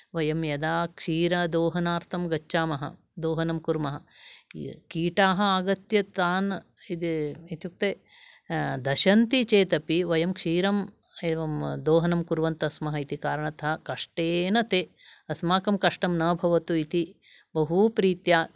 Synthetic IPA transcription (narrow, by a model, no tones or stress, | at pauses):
ʋɐjɐmjɐd̪aːkʂiːɾɐd̪oːɦɐnaːɾt̪ʰɐmɡɐt͡ʃːʃaːmɐɦɐ̰ | d̪oːɦɐnɐmkuɾmɐɦɐ | kiːʈaːɦɐ̆aːɡɐt̪jɐt̪aːn | id̪it̪juk̚t̪eː | d̪ɐʃɐnt̪it͡ʃeːt̪ɐpiʋɐjɐmkʂiːɾɐm | eːʋɐmd̪oːɦɐnɐmkuɾʋɐnt̪ɐsmɐɦɐit̪ikaːɾɐɳɐt̪ɐɦɐkɐʂʈeːnɐt̪eː | ɐsmaːkɐmkɐʂʈɐmnɐːbʱɐʋɐt̪uit̪i | bɐɦupɾiːt̪jaː